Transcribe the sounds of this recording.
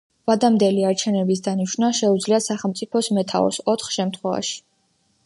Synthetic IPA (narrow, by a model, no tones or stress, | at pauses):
vad̪amd̪ɛliaɾt͡ʃʰɛnɛbisd̪aniʃnaʃɛud̪zliasaχɛlˠmt̪sʼipʰɔsmɛt̪ʰa̰ɔ̰sɔt̪ʰχʃɛmt̪ʰχwɛva̰ʃi̥